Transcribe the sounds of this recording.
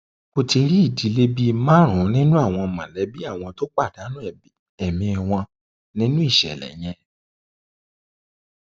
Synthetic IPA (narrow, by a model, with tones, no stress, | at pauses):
mo˧ti˧ɾi˦i˦˨di˨˦le˦bi˦mã˦ɾ̃ũ˨˦nĩ˦nũ˦a˦˨w̃ɔ̃˧mã˨lɛ˨˦bi˦a˦˨w̃ɔ̃˧to˦k͡pa˦˨da˨˦nũ˦ɛ˨ | ɛ˨mĩ˧ɛ˨w̃ɔ̃˧ | nĩ˦nũ˦i˦˨ʃɛ̰˨lɛ̰˨j̃ɛ̃˧